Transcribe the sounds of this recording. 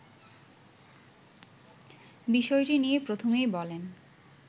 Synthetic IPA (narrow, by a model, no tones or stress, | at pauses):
biʃɔeʈiniepɾot̪ʰomejbɔlen